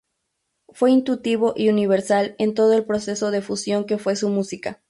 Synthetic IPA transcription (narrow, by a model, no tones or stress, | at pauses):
fwe̞int̪ut̪iβo̞ʔiuniβeɾsale̞nt̪o̞ð̞o̞e̞lpɾo̞se̞so̞ðe̞fusjo̞ŋke̞fwe̞sumusika